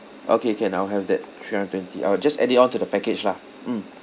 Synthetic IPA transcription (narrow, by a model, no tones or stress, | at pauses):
ʔo̰kekɛ̃naɦɛvdɛttʰɹiãndətːwɛ̃ntḭʔa̰ɪwd͡ʒasɛ̰ditɔ̃ntudəpɛked͡ʒla | m̩